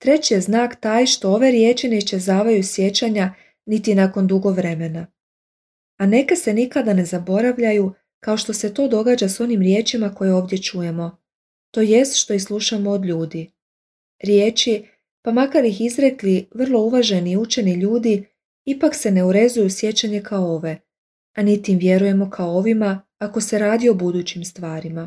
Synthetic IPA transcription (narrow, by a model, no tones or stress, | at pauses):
t̪ɾe̞t͡ɕije̞znaːkt̪aːjʃt̪o̞oʋe̞ɾje̞ːt͡ʃine̞iʃt͡ʃezaːʋajusje̞t͡ɕaɲa | nit̪inako̞nd̪uɡo̞ʋɾe̞me̞na | ane̞kase̞nikad̪ane̞zabo̞ɾaʋʎaju | kao̞ʃt̪o̞se̞t̪o̞ːd̪o̞ɡaːd͡ʑaso̞nimɾje̞ːt͡ʃimako̞jeo̞ːʋd̪je̞t͡ʃuje̞mo̞ | t̪o̞ːje̞st̪ʃt̪o̞ixslˠuʃamood̪ʎuːd̪i | ɾje̞ːt͡ʃi | pamakaɾixizɾe̞kliʋr̩lˠo̞uʋaʒeniut͡ʃe̞niʎuːd̪i | ipakse̞ne̞uɾe̞zujusje̞t͡ɕaɲe̞kaooʋe̞ | anit̪imʋje̞ɾuje̞mo̞kʰaooʋimaː | ko̞se̞ɾaːd̪io̞bud̪uːt͡ɕimst̪ʋaːɾima